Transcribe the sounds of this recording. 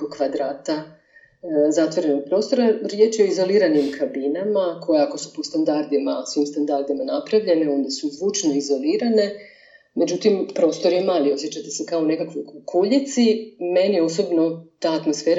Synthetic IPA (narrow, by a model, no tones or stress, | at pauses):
okʋad̪ɾaːt̪a | zat̪ʋo̞ɾe̞no̞ɡ̚pɾo̞st̪o̞ɾaɾje̞t͡ʃeo̞izo̞liːɾanimkʰabinamakʰo̞jeako̞su̥po̞st̪and̪aɾd̪imasoimst̪and̪aɾd̪imanapɾaʋʎe̞ne̞o̞nd̪esuizʋuːt͡ʃno̞izo̞liːɾane̞ | me̞d͡ʑut̪impɾo̞ːst̪o̞ɾje̞maːlio̞sjet͡ɕat̪ese̞kaone̞kakʋojukʰuʎit̪sime̞nijeo̞so̞bno̞t̪aːt̪mo̞sfe̞ːɾa